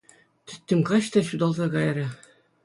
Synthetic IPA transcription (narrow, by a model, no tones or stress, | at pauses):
t̪ɘ̆t̪ʲːɘ̆mkɑɕt̪ɑɕud̪ɑlˠzɑkɑjɾʲɑ